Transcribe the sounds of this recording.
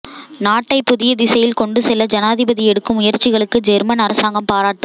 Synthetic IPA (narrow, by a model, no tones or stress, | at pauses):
naːʈːɐɪpːʊðɪjɐd̪ɪsɐjɪlkɔɳɖɯsɛlːɐd͡ʒɐnaːðɪbɐðɪɛɽɯkːɯmʊjɐɾt͡ʃːɪɣɐɭɯkːɯd͡ʒɛɾmɐnɐɾɐsaːŋɡɐmpaːɾaːʈːɯ